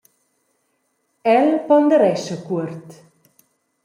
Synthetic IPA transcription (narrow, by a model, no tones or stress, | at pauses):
ɛlpɔnd̪əɾɛsəkuərt̪